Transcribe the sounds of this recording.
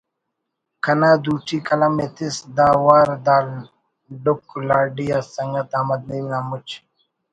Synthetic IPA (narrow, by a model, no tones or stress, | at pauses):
kɐnaːd̪uːʈʰikɐlɐmet̪isd̪aːwaːɾd̪aːl | ɖuklaːɖijasɐŋɡɐt̪aːmɐd̪̚ninaːmut͡ʃ